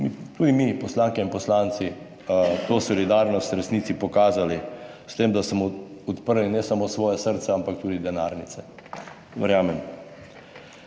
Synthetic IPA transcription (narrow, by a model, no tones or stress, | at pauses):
mit̪ud̪imipɔslaːŋkɛinpɔslaːnt̪si | t̪oːsɔlid̪aɾnɔst̪ɾɛsniːt̪sipɔkaːzalist̪emd̪asmɔɔt̪pəɾlinɛsamoːsʋɔːjɛsəɾt̪sɛampak̚t̪uːd̪id̪ɛnaɾnit̪sɛ | ʋɛɾjaːmɛm